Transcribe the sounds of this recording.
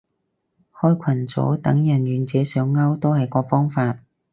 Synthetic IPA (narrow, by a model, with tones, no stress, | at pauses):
hɔː˥jkʷʰɐ˨˩nt͡so̰˨˥t̪ɐ˨˥ŋjɐ˨˩njyː˨˧nt͡sɛː˨˥sœː˨˥ŋːɐ˥wt̪o˥whɐ˨jkɔː˧fɔː˥ŋfaː˧t̚